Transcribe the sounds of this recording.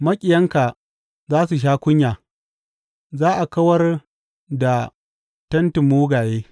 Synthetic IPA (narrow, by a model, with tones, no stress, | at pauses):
mɐ˦kʲʼɪ˨jɐ˦ŋka˨ | zaː˦s̬u˨ʃ̬aː˦kʷʊ˦ɲjaː˨ | zaː˦ʔa˨kɐ˦wɐ˦r | da˨ | tɐ˦ntɪ˨mːuː˦ɡaː˨jeː˦